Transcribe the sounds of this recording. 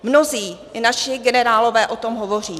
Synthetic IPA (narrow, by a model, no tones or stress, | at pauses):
mno̞ziː | naʃɪɡɛnɛɾaːlo̞vɛːʔo̞t̪o̞mɦovo̞r̝iː